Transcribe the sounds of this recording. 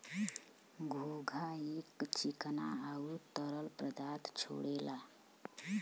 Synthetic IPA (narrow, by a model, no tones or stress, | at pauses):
ɡʱuɡʱaekt͡ʃikna̰aut̪əɾəlpɾəd̪at̪t͡ʃʰo̰ɽela